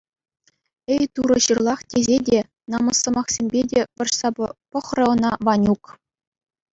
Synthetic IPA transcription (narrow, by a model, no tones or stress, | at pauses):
ejt̪uɾɤ̆ɕɯrlˠɑχtʲezʲedʲe | nɑmɤ̆sːɤ̆mɑχsʲemʲbʲedʲeʋɤ̆rʂsɑpɤ̆χrɤ̆ɤ̆nɑʋɑnʲuk